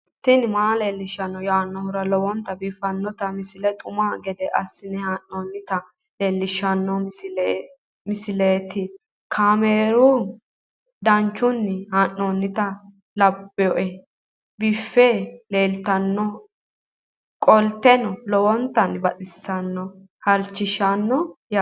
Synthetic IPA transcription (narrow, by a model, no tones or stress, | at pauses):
t̪ːɪnmaːleːlːɪʃɐnːɔjaːnːɔhʊɾɐlɔwɔnt̪ːɐbɪfːɐnːɔt̪ɐmɪsɪlɛt̪ʼʊmaːɡɛd̪ɛʔɐ̰sːɪnɛhaːnːoːnːɪt̪ɐ | leːlːɪʃːɐnːɔlː | mɪsɪleːt̪ɪ | kʰaːmeːɾu | d̪ɐnt͡ʃːʊnːhaːnːoːnːɪt̪ɐ | lɐbːɛjɔʔɛ | bɪfːeːleːlt̪ɐnːɔ | kʼɔlt̪ɛnɔlɔwɔnt̪ːɐnbɐtʼɪsːɐnːɔ | hɐlt͡ʃːɪʃɐnːɔj